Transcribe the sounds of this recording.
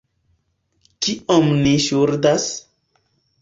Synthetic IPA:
kiʔomniʃuɾdas

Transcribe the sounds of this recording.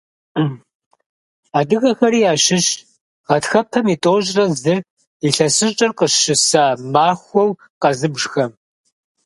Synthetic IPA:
aːdɨɣɐxɐɾiːjaːʃɪɕ | ʁɐtxɐpʰɐmiːtʼoːʒʼrɐzɨ | iɬɐsɨɕt͡ʃʼɐrqəʃʃɨsaːmaːxʷɔw | qɐzɨbʐxɐm

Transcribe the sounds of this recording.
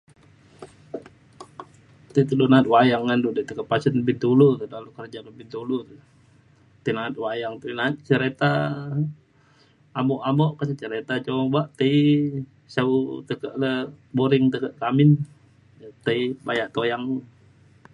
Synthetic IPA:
t̪ət̪udonaːt̪̚wajaŋːandudət̪əkəʔpasənəbit̪ulut̪ualukərd͡ʒakəbint̪ulut̪u | t̪ənaət̪̚wajaŋt̪uinat̪̚t͡ʃəɾet̪a | mɔʔamoʔkat͡ʃət͡ʃəɾet̪at͡ʃoŋbaʔt̪əi | saut̪əkəʔləboɾɪŋt̪əkəʔkamɪn | t̪əibajaʔt̪ojaŋ

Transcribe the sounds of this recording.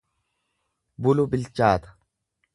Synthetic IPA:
bʊlʊbɪlt͡ʃaːt̪ɐ̥

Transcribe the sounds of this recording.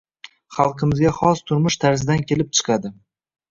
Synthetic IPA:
χɑlˠqʰɨmɪzɡʲaχɒst̪ʰʊɾmʊʃt̪ʰaɾsɪd̪ankʲʰe̞lɪp̚t͡ʃʰɨ̥qʰɑd̪ɪ

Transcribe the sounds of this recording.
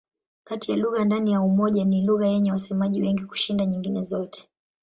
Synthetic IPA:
katijaluɣandanijaumɔʄaniluɣajɛɲɛwasɛmaʄiwɛŋɡiku̥ʃindaɲiŋɡinɛzɔtɛ̥

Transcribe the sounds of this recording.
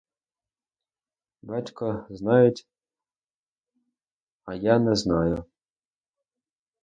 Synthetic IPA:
batʲkɔznajʊtʲ | ajanɛznajʊ

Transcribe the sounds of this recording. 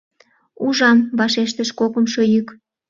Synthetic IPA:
uʒɑmβɑʃeʃt̪əʃkokənʃojyk

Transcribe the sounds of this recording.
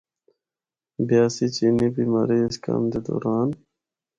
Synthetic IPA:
bjaːsit͡ɕinibiːma̰ɾiska̰md̪ed̪o̰ːɾaːn

